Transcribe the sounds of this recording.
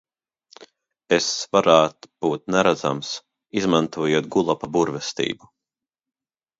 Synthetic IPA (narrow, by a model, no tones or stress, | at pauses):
esvaɾaːt̪b̥uːt̪̚nɛɾad̪za̰ms | izmant̪uɔjuɔt̪̚ɡulˠapabuɾvɛst̪ḭːbu